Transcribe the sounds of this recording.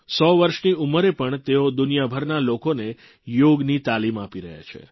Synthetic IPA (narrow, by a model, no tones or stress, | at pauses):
sɔʋəɾʃniuməɾepəɳt̪eod̪ʊnijabʱəɾnalokone | joɡnit̪alimapiɾə̰ɦja̰t͡ʃʰḛ